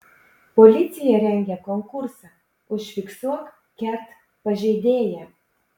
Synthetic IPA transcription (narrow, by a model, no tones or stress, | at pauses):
polʲɪt̪sʲɪjɛɾʲɛŋʲɡʲɛkɔŋkʊɾsɑ | ʊʃʲʋʲɪksuɔk | kʲɛɾt̪ | pɐʒʲɛɪd̪ʲeːjɛ